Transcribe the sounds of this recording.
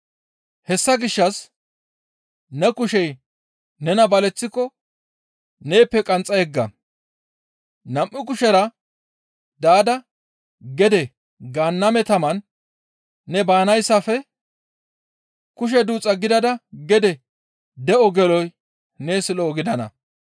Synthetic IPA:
hɛsːɐɡɪʃːɐs | nɛkʊʃɛj | nɛnɐbɐlɛt͡sːɪkːɔ | ne̞ːpːɛkʼɐnt͡sʼɐjɛɡːɐ | nɐmʔːɪk̬ʊʃɛɾɐ | d̪aːd̪ɐ | ɡɛd̪ɛ | ɡaːnːɐmɛt̪ɐmɐnː | ɛbaːnɐjsːɐfɛ | kʊʃ̬ɛd̪uːt͡sʼɐɡɪd̪ɐd̪ɐɡɛd̪ɛ | d̪ɛʔɔɡɛlɔj | neːsɪlɔːɡɪd̪ɐnɐ̰

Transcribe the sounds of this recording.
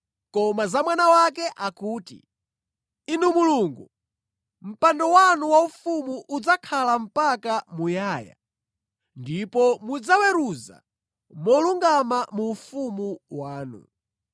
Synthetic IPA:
kɔmazamwanawakɛʔakuːtḭ | inumuluŋɡu | m̩pandɔwanuwaufumuʔud͡zakʰalam̩pakamujaːja̰ | ndipɔmud͡zawɛɾuza̰ | mɔluŋɡamamuːfumuwaːnṵ

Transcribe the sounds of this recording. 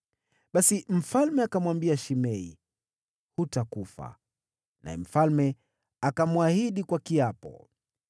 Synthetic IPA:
ɓasim̩falmɛakamwambiaʃimɛḭ | hutakufa̰ | na̰ɛ̰m̩falmɛ | akamwahiɗikwakiapɔ̰

